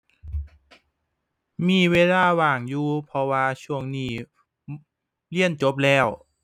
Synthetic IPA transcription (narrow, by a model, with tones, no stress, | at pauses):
miː˧˩weː˧laː˧˩waː˨˩ŋjuː˧pʰɔ˧waː˧t͡ɕʰu˧˥əŋniː˧˩ | li˥˩ənt͡ɕo˧˦˥p̬̚lɛː˧˥˩w